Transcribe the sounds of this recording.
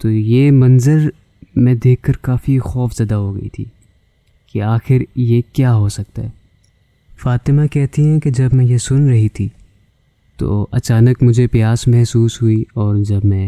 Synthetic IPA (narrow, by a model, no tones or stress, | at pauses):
t̪oːjeːmɐ̃nzəɾ | mɛ̃d̪eːkʰːɐɾkaːfixɔːfz̥ɐd̪aɦoɡɐ̰ḭt̪ʰḭː | keaːxɪɾjekjaːɦoːsɐk̚t̪aɦɛː | faːt̪ɪmakɛɦt̪iɦɛ̃ked͡ʒɐbmɛ̃jesʊnɾɐɦit̪ʰiː | t̪o̰ːɐt͡ʃaːnəkmʊd͡ʒʱepɪjaːsmɛɦsuːsɦuiɔːɾd͡ʒɐbmɛ̃